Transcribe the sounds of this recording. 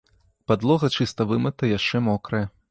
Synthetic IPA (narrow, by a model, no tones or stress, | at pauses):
pad̪lˠɔɣɐt͡ʂɨst̪ɐvɨmɨt̪ɐjaʂt͡ʂɛmɔkɾɐjɛ